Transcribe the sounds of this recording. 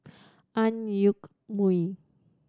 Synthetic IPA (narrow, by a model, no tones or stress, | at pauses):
ʔanjʊk | mui